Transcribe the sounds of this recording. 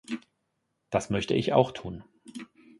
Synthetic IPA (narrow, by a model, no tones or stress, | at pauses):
d̥asmœçtə̰ʔɪça̰ʊxtʰuːn